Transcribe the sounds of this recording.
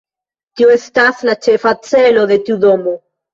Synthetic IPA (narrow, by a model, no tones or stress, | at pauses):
tioestaslat͡ʃefat͡se̞lo̞de̞tiudo̞mo̞